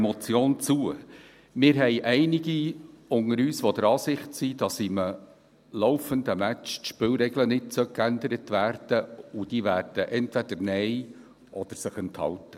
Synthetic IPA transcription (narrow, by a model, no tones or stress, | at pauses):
mɔt͡sjoːnt͡suə | mɪːɾɦɛɪʔɛɪnɪɡiʊŋəɾyːsʋɔd̥̪əɾɑːsɪχtsid̥ɑsɪmə | lɔʊfənd̪əmæt͡ʃtʃpɪːlɾɛɡlənɪtsœkænd̪əɾətvæːrd̥əud̥iʋæːrd̥əʔɛntvɛd̥̪əɾnɛɪ | ʔɔd̥̪əɾsəχɛnt̪hɑ̰ltə